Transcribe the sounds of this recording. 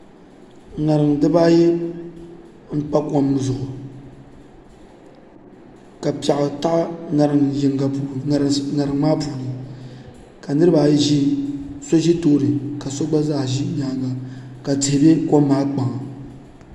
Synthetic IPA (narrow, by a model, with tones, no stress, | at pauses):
ŋa˨ɾɨ˨ŋ˨dɨ˦baː˦jɛ˦ | m̩˦k͡pa˦kɔ˦m˦ɨ˨zʊ˨ʔʊ˨ | ka˨pa˨ʔʊ˨ta˦ʔa˦na˨ɾɨ˨ŋ˨ʒɪ˨ŋɡa˨pu˨na˨ɾɨ˨ŋ˦maː˦puː˨nɨ˨ | ka˨nɨ˦ɾɨ˦ba˨˦ʒi˦so˦ʒi˦toː˦ɾɨ˨ka˨so˦ɡ͡ba˦za˦hʒi˦ɲaː˨˦ŋa˨ka˨tɪ˨hɪ˨be˦koː˦aː˦k͡pa˨ŋ˨